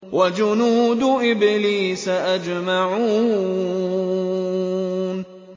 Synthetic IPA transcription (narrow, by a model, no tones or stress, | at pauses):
wad͡ʒʊnuːd̪ʊʔɪbɪliːsaʔad͡ʒmaʕuː | n